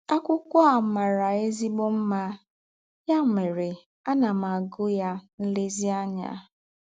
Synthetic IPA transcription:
a˦kʷʊ˦kʷɔ˦a˨ma˨ɾa˨e˦zi˦ɡ͡bo˦m̩˦ma˦ | ja˦˨me˨ɾe˨ | a˦na˨m̩˨a˨ɡʊ˦ja˦n̩˦lɪ˦zi˦a˦ɲa̰˦

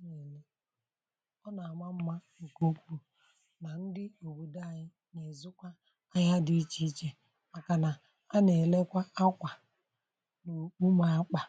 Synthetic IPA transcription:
ɲe˨le˦ | ɔ˦na˨a˨ma˦m̩˦ma˦˨ko˦kʷu˦ | na˨n̩˦dɪ˦o˨bu˨da˦˨ɲɪ˦ | ɲe˨zʊ˦kʷa˦ | a˦ɲa˦di˦i˦t͡ʃi˦t͡ʃe˦ | a˨ka˨na˨ | a˦ne˨le˦kʷa˦a˦kʷa˨ | no˨k͡pu˦ma˦a˦k͡pa˨

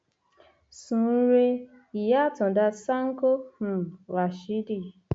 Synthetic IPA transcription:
sũ˨˦ɾe˧ | i˨ja˦˨tɔ̃˨da˧sa˦ŋ̩˦ko˦hũ˨wa˨ʃi˨˦di˦˨

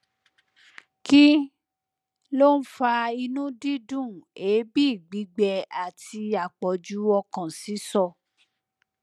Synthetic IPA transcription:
ki˦ | lo˦n̩˦fa˧i˧nũ˦di˦dũ˦˨e˨˦bi˦i˦˨ɡ͡bi˨˦ɡ͡bɛ˧a˨ti˧a˨k͡pɔ˨d͡ʒu˨˦ɔ˧kã˨si˨˦sɔ˦˨

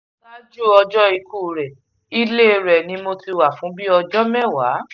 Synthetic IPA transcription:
la˦d͡ʒu˦ɔ˧d͡ʒɔ˦i˧kuː˦˨ɾɛ˨ | i˦le˦˨˧ɾɛ˨nĩ˧˦mo˧ti˧wa˨fũ˨˦bi˦ɔ˧d͡ʒɔ˦mɛ̃˦˨wa˨˦

